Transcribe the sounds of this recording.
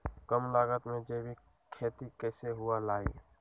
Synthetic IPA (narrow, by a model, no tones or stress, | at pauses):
kəmlaːɡət̪mẽd͡ʒeːbʱi | kʰeːt̪ikɛːseɦualaːi